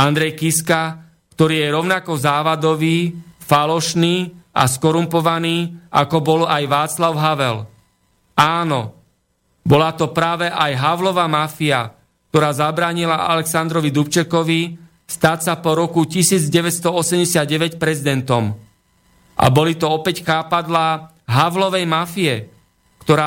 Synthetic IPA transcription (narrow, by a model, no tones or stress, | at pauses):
and̪ɾɛjkiska | kt̪ɔɾiːjɛɾɔʊnakɔzaːʋad̪ɔʋiːfalɔʃniːa̰skɔɾumpɔʋaniːʔakɔbɔlajʋaːt͡slaʊɦaʋɛl | aːnɔ | bɔlat̪ɔpɾaːʋɛʔajɦaʊlɔʋamafia | k̚t̪ɔɾaːzabɾaːɲilaa̰lɛksand̪ɾɔʋid̪upt͡ʃɛkɔʋi | st̪aːsapɔɾɔkucisiːd͡zɟɛʋɛcst̪ɔɔsɛmɟɛsɪad̪̚ɟɛʋɛcpɾɛzid̪ɛnt̪ɔm | ʔa̰bɔlit̪ɔɔpɛcxaːpad̪la | ɦaʋlɔʋɛjmafiɛ | kt̪ɔɾaː